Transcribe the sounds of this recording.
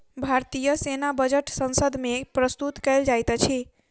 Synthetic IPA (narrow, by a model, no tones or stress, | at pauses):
bʱaɾt̪ijəsenabəd͡ʒəʈsə̃nsəd̪ʱmepɾəst̪ut̪kəjld͡ʒajt̪ət͡ʃʰi